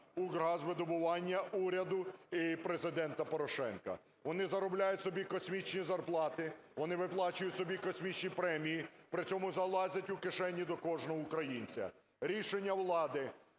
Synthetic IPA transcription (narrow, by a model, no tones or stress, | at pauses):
ʊɡɾɑzʋɪd̪ɔbʊʋɑnʲːɐʔuɾʲɐd̪ʊipɾezɪd̪ɛnt̪ɐpɔɾɔʃɛ̰nkɐ̰ | ʋɔnɪzɐɾɔblʲajʊtʲsɔbʲikɔsʲmʲit͡ʃnʲizɐrplˠɑt̪ɪʋɔnɪʋɪplˠɑt͡ʃʊjʊtʲsɔbʲikɔsʲmʲit͡ʃnʲipɾɛmʲijipɾɪt͡sʲɔmʊzɐlˠɑzʲɐtʲʊkɪʃɛnʲːid̪ɔkɔʒnɔɦɔʊkɾɐjinʲt͡sʲɐ̰ | ɾʲiʃenʲːɐwlˠɑd̪ɪ